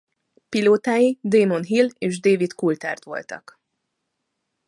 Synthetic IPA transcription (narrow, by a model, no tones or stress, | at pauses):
piloːt̪aːjid̪eːmo̞nɦileːʒd̪eːvit̪kult̪a̰ːrt̪ʋo̞̰lt̪ɒ̰k